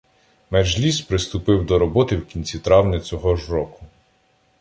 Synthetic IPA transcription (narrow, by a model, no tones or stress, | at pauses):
med͡ʒlʲispɾɪst̪ʊpɪwd̪ɔɾɔbɔt̪ɪwkʲinʲt͡sʲit̪ɾɑwnɪt͡sʲɔɦɔʒrɔkʊ